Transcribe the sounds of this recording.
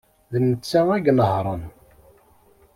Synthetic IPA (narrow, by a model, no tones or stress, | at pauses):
ðənət͡sːææɡnəhɾˤən